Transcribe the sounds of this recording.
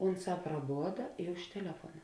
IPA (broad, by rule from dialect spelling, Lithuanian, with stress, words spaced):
ˈʊnˌsɑː prɐˈboːdɐ ɪ ʊʃ tʲɛˈlʲæːfuɔnɐ